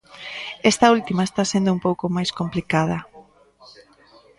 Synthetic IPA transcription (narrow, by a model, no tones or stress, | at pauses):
est̪ault̪imaest̪asend̪ʊumpowkomajskomplikað̞ɐ